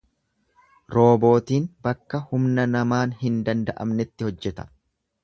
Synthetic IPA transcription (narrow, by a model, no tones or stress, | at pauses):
ɾo̞ːbo̞ːt̪iːnbɐkːɐhʊmnɐnɐmaːnhɪnd̪ɐnd̪ɐʔɐ̰mnɛt̪ːɪhɔd͡ʒːɛt̪ɐ̥